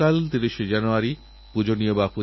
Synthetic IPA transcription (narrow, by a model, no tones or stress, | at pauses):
alt̪iɾiʃed͡ʑanuaɾi | pud͡ʑoniobapu